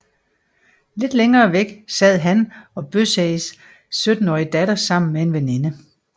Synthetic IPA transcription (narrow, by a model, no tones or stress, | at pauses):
le̝d̥leŋɐːʋeɡ̥sɛð̞̰ˠɦænɒ̽b̥øseɪs | sød̥n̩ɒːid̥æɾɐsɑ̈m̰n̩mee̝nʋene̝nə